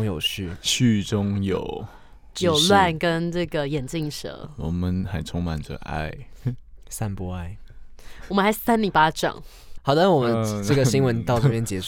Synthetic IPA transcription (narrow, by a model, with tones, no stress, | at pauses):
ŋjo˨˩ʊɕy˥˩ɕy˥˩ʈ͡ʂʊ˥ŋjo˨˩ʊ | jo˨˩ʊlwa˥˩nkə˦˥nnɤ˥˩ɡə˩jɛ˨˩nt͡ɕi˥˩ŋʂɤ̰˧˥˦wɔ̰˨˩mə˨nxa̰˨˩nt͡sʰʊ˥ŋma̰˨˩nʈ͡ʂə̰˨˦ʔa̰˥˩ɪ | sa˥˧npu˥˧a˥˩ɪwɔ˨˩mə˦nxa˧˥ɪsa˥nli˨˧˩pa˧˩ʈ͡ʂɑ̰˨˩ŋ | hɑ˨ʊd̪ə˦˥wɔ˨˩mə˦nʈ͡ʂɤ˥˩ɡə˩ɕi˥ŋwə˧˦nt̪ɑ˥˧ʊʈ͡ʂɤə˥˧pjɛ˥nt͡ɕjɛ˧˥ʂ